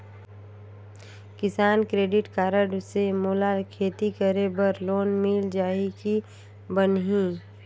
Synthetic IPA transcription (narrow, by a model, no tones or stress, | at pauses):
kɪsaːnkɾeːɖɪʈkaːɾəɖsemoːlalkʰeːt̪ikəɾebəɾloːnmɪld͡ʒaːiki | bənɦĩː